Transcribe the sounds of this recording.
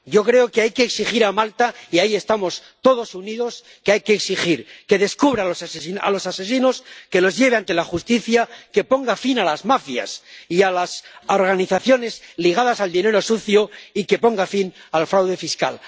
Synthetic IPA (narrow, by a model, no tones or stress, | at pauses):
ɟ͡ʝo̞kɾe̞okeajkeːksiχiɾamalt̪aiaie̞st̪amo̞st̪o̞ð̞o̞suniðo̞s | keajke̞ːksiχiɾke̞ðe̞skuβɾalosaseia̰lo̞sase̞sino̞ske̞lo̞zʝe̞β̞eant̪e̞laχust̪iθjake̞po̞ŋɡafinalazmafja̰sialaso̞ɾɣaniθaθjo̞ne̞zliɣ̞að̞asald̪ine̞ɾo̞suθjo̞ike̞po̞ŋɡafinalfɾawðe̞fiska̰l